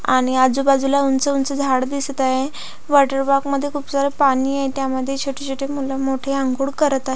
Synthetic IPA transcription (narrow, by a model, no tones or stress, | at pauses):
a̰ɽ̃iad͡zuːbad͡zulaunt͡səunt͡səd͡zʱaɽd̪ist̪aje | ʋaʈəɾbakməd̪ʱːjekʰuːpsaɾəpaniːajt̪jaməd̪ʱːjet͡ɕʰoʈʰit͡ɕʰoʈʰemulamoʈʰeãŋɡuːɽkəɾət̪aɦe